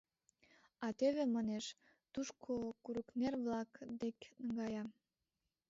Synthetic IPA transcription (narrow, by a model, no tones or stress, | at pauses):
ɑt̪eβemɑneʃ | t̪uʃkʰokuɾəknerβlɑkd̪eknəɡɑjɑ